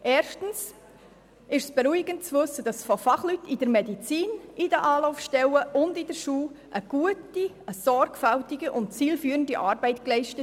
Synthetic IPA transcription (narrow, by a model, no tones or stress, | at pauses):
ʔeːɾʃtən̩s | ɪʃsb̥ɛɾuiɡ̥ənt̚t͡svɵsːəd̥ɑsfɔfɑχlytidəɾmɛdit͡siːnʔidəʔɑːlɔʊfʃtɛwəʔʊndidəɾʃuːlʔəɡ̥uəti | əsɔɾɡfaltiɡiʔʊntt͡siːlfyːɾəndiʔɑːɾbɛɪtklɛɪʃtə